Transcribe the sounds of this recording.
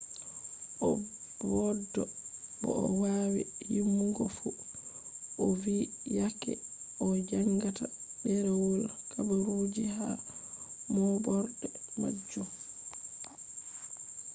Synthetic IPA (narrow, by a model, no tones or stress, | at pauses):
ʔɔ | bɔdːɔbɔ̰ɔwawḭhimːuɡɔfu | ʔɔvijakɛ̰ | ʔɔd͡ʒaŋɡatadɛɾɛwɔlakabaɾud͡ʒiha | mɔbɔɾdɛma̰d͡ʒːum